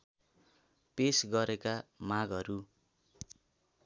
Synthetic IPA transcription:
pesɡʌɾekamaɡʌɾu

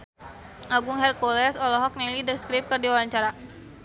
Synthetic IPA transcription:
ʔaɡuŋɦɛrkolɛsɔlɔɦɔk̚nɛlidəskɾip̚kərdiwawaɲt͡ʃaɾa

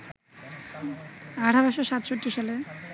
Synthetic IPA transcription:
aʈʰabaʃoʃat̪ʃoʈːiʃale

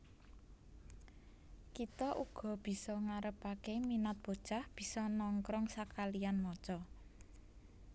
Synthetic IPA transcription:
kit̪ɔʔuɡ̥ɔ̤b̥i̤sɔŋaɾəpakeminat̪̚b̥o̤d̥t͡ʃa̤hb̥i̤sɔnɔŋkɾɔŋsakalijanmɔt͡ʃɔ

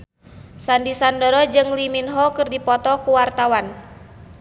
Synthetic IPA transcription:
sandisandəɾɔd͡ʒɨŋliminɦɔkɨrdipɔt̪ɔkuwart̪awan

